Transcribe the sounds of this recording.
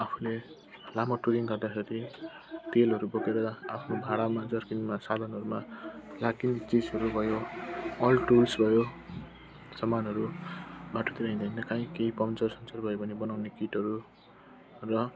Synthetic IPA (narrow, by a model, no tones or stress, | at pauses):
apʰule | lamʌʈuɾiŋɡʌrd̪akʰeɾi | t̪elɦʌɾubokeɾʌapʰnobʱaɽamad͡zʌrkinmasad̪ʱʌnɦʌɾumalakint͡sizɦʌɾubʱʌjoʌlʈulsbʱʌjo | sʌmanɦʌɾubʱaʈot̪iɾaĩd̪ʱʌĩnʌkãĩkeipʌmt͡sʌrsʌnt͡sʌrbʱʌjobʱʌnebʌnawnekiʈʌɾu | rʌ